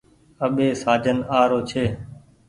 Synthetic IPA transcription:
əɓeːsaːd͡ʒʱənaːɾoːt͡ʃʰeː

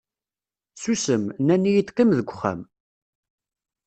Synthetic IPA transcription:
susəmnænːijit̪ːkːəmðəɡʷəχæ̰m

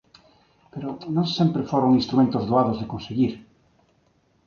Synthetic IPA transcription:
peɾonõŋsẽmpɾefoɾõŋinst̪ɾumẽnt̪ozðoaðozðekõnseɣiɾ

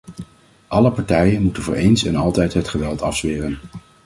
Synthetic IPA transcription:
ʔɑləpɑɹtɛjənmutənvʊ̰ːɹʔejnsɛ̰nɑlˠtɛjtɦətχəʋɛlˠtɑfsʋɪːrən

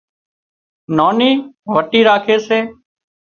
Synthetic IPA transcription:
noːniːʋəʈiːɾaːkʰeːseː

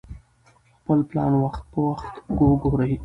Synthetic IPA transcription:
xpəlplɑ̰nwaxt̪̚pəwaxt̪ɡoɡoɾaj

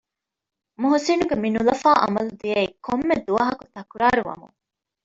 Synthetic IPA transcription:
muɦusinuɡeminulɐfaːʔɐ̰mɐlud̪iɐikʰomːed̪uɐɦɐkut̪ɐkuɾaːɾuʋɐ̰mṵŋ

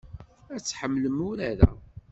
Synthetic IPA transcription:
æt͡sːħəmːləmʊɾæɾæ̰

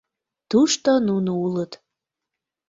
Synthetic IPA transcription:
t̪uʃt̪onunuulət̪

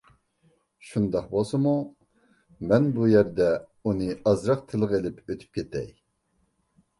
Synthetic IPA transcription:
ʃund̪ɑχbolˠsɨmu | mɛnbujæɾd̪ɛ | unɨɑzɾɑχt̪ʰɨlˠɨʁelɪpʰøt̪ʰy̥p̚kʲʰet̪ʰɛ̰j

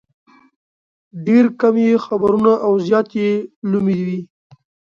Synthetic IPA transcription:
ɖeɾkamjexabaɾunaʔawzjɑt̪jelumid̪wi

